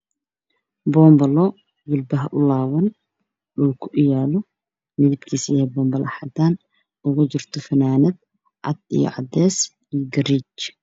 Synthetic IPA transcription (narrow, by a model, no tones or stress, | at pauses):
bɔːmbɐlɔ | wʊlbɐɦɐʔʊlaːwɐn | ɗʊlkʰʊʔɪjaːlɔ | mɪðɪbkʰiːsɪɛbɔːmbɐlʔɐħat̪ʰaːn | ʔʊɣʊd͡ʒɪrt̪ʰɔfɐnaːnɐd̪̚ | ʕa̰d̪̥ḭjɔ̰ʕad̪ːɛːs | ijɡɐriːt͡ʃ